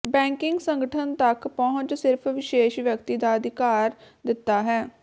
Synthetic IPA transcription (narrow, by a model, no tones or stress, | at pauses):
bɛ̃ːŋkɪŋɡsəŋɡəʈʰənt̪əkpɔːʊ̃ɲt͡ʃsɪɾpʰʋɪʃeːʃʋjəkt̪iːd̪aːəd̪ɪkaːɾ | d̪ɪt̪ːaːɦɛː